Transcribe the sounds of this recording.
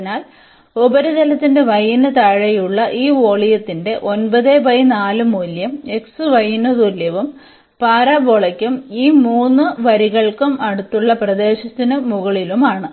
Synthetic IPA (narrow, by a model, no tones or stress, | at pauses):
naːl | obɐɾɐd͡ʑɐlɐt̪ːinde̞ʋɐjnɐt̪ɐɻɐjuɭːɐʔiːoːɭijɐt̪ːinde̞ʔo̞nbɐðebɐjinaːlumuːljɐme̞ksɨʋɐjnɐt̪uljɐʋum | paːɾaːboɭɐkʲːumiːmuːnːɨʋɐɾiɣɐɭkumɐɽut̪ːuɭːɐprɐd̪e̞ːɕɐt̪ːinɨmuɣɐɭilumaːɳɨ